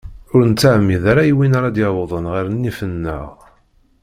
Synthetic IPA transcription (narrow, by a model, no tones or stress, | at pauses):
ʊɾnt͡sːaʕmiðaɾajwinaɾad̪jɑwðˤənʁəɾnːifənːə̰ʁ